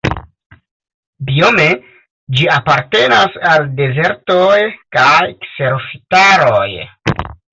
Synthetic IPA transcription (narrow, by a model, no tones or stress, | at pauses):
bio̞me̞ | d͡ʒiapaɾte̞nasalde̞ze̞ɾtojkajkse̞ɾofitaɾoj